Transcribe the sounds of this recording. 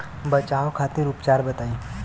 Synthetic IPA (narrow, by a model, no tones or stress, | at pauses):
bɐt͡ʃaːokʰaːt̪iɾuːpt͡ʃaːɾbɐt̪aːiː